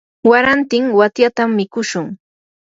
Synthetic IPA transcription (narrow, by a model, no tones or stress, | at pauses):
waɾant̪ɪŋwat̪jat̪amːɪkʊʃʊŋ